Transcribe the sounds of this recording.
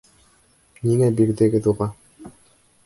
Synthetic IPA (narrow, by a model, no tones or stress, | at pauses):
niŋæbiɾd̪eɡɘd̪uʁɑ